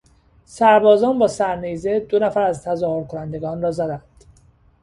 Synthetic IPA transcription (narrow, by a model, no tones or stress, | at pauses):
sæɾbɒːzɒːnbɒːsæɾnize̞d̪o̞næfæɾæzt̪ʰæzɒːho̞ɾkʰonænd̪e̞ɡɒːnrɒːzæd̪ænd̪̥